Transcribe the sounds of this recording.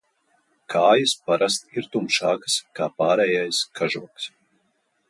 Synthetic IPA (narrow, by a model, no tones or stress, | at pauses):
kʰaːjɨspaɾast̪iɾt̪umʃaːkskaːpaːɾɛːjajskʰaʒuɔks